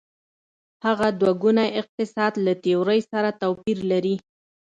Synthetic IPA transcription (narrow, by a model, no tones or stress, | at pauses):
haɣad̪waɡunaʔɪq̚t̪ɪsɑd̪lat̪ewɾəjsaɾat̪awpiɾlaɾi